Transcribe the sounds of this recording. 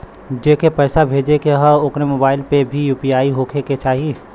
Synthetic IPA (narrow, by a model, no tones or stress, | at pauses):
d͡ʒeːkepɛːsabʱeːd͡ʒekeɦəokɾemoːbaːɪlpebʱijuːpiaːiɦoːkʰeket͡ʃaːɦi